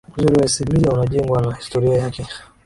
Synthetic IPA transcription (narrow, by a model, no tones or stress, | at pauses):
uzuɾiwaisimizaunaʄɛŋɡwanahi̥stɔɾiajakɛ